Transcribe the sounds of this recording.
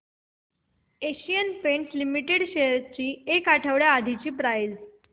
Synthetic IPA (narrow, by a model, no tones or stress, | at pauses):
eɕijənpeɳʈlimiʈeɽɕeɾt͡ɕiːekaʈʰəʋɽjaad̪ʱit͡ɕiːpɾail